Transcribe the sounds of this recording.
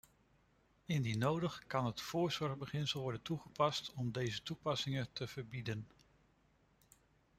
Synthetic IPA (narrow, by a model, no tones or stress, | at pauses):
ɪndinowdəχkɑnɦətfʊːɹzɔɹχbəχɪnsəlˠʋɔɹdəntuχəpɑstʰɔmdejzətupɑsɪŋətəv̥əɹbidən